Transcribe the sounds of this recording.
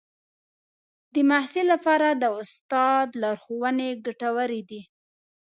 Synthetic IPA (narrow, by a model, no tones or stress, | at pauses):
d̪əmahsilːapɑɾad̪əʊst̪ɑd̪lɑɾxowəneɡaʈawəɾid̪i